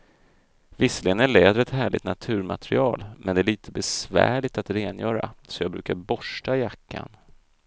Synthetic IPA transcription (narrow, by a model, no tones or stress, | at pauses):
vɪslɪɡənæɭɛːd̪ɾɛt̪hæːɭɪ̰ɡt̪nat̪ʰʉ̟ːɾma̰t̪ʰɾɪɑːlmʔɛnd̪ɛæɭiːt̪ʰəbɛsvæ̰ːɭɪt̪at̪ɾeːnjœːɾa̰sɔjɑːɡbɾʉ̟ːkaɾbɔʂʈajakʰːa̰n